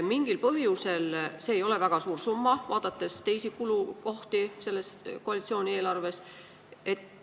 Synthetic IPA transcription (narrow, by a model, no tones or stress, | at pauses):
miŋɡ̥ilpɤɦjuselse̞ːjo̞le̞væɡ̥ɑsuːɾsumːɑvɑːd̪̥ɑt̪ːe̞st̪e̞jsikuluko̞ht̪ise̞lːe̞st̪ko̞ɑlit̪sio̞ːnʲie̞ːlɑrve̞s | e̞t̪